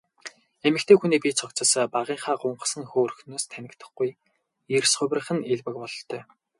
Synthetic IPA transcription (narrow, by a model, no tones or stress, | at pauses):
emɘ̆kt̪ʰeːxuniːpʲit͡sʰɔkt͡sə̆spaʁiːŋχaːɢʊɴɢə̆sə̆ŋxoːrxnoːst̪ʰænʲɪ̆kt̪ʰə̆χɡuj | ersχʊ̟wʲrə̆χɘ̆neɮwɘ̆k̚pɔɮɞ̆ɬt̪ʰœː